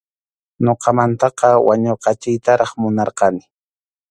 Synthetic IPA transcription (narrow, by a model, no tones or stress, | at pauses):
noqɑmant̪ɑqɑwaɲoqɑt͡ʃɪjt̪aɾɑχmʊnɑɾqɑnɪ